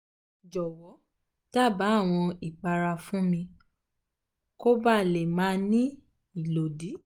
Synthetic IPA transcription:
d͡ʒɔ˨wɔ˨˦ | ta˦˨ba˨˦˨w̃ɔ̃˧i˨k͡pa˧ɾa˧fũ˦mĩ˧ | ko˦ba˦˨le˨mãː˦nĩ˦ | i˦˨lo˨di˨˦

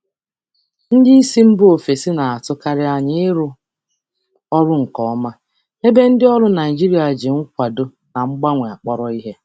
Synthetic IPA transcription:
n̩˦dɪ˦i˦si˦m̩˦bʊ˦o˨fe˨si˦na˨a˨tʊ˦ka˦ɾɪ˦a˦˨ɲɪ˦ɪ˦ɾʊ˦ | ɔ˦ɾʊ˦ŋ̩˨kɔ˨˦ma˦ | ne˦be˦n̩˦dɪ˦ɔ˦ɾʊ˦na˨i˨d͡ʒi˦ɾi˨˦a˨d͡ʒe˨ŋ̩˦kʷa˨do˦ | na˨ŋ͡m̩˦ɡ͡ba˦ŋʷe˨a˨k͡pɔ˦ɾɔ˦i˦ɦe˦

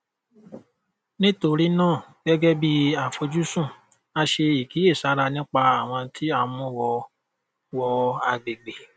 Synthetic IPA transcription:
nĩ˦to˧ɾi˦nãː˦˨ɡ̥ɛ˦ɡɛ˦bi˦a˨fo˧d͡ʒu˦sũ˦˨ | a˧ʃe˧i˨ki˨˦e˦˨sa˨˦ɾa˧nĩ˦k͡pa˧a˨w̃ɔ̃˧tʰi˦a˧mũ˦wɔ˧ | wɔ˧a˧ɡ͡be˨ɡ͡be˨

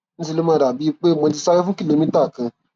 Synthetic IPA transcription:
ñ̩˦si˧lo˦mã˦˧ɾa˨bi˨˦i˦˧k͡pe˦˨mɔ̃˧di˧sa˦ɾi˦fũ˦ki˦˨le˨˦mĩ˦ta˦˨kã˧

